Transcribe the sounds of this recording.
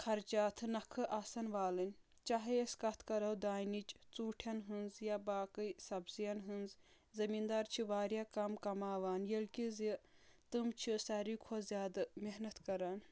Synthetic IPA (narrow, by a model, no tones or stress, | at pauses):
kʰɐɾt͡ʃaːt̪ʰɨnɐkʰɨʔasɐnʋaːlɨnʲ | t͡ʃaɦɐjeskɐt̪ʰkɐɾɐwd̪aːnit͡ʃt͡suːʈʰjɐnɦɨnzjabaːkɨjsɐbzjɐnɦɨnz | zɐmiːnd̪aːɾt͡ʃʰiʋaːɾjaːkɐmkɐmaːʋaːnjɐlʲkʲizit̪ɨmt͡ʃʰisɐɾiːkʰozjaːd̪ɨmeɦnɐt̪kɐɾaːn